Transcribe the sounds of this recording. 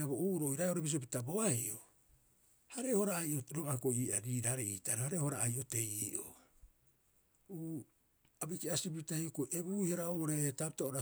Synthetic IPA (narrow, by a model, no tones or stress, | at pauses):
abouːɾo̞ːjɾaeoɾebis̬o̞pitabo̞aiʔo̰ | haɾe̞ho̞ɾaːjʔoɾokakoiːʔa̰ɾiːɾaɾeiːtaɾahaɾehoɾaːjʔote̞jiʔo̰ | uː | abikiasibiitaiokoʔebuiheɾaoɾetapitaoɾa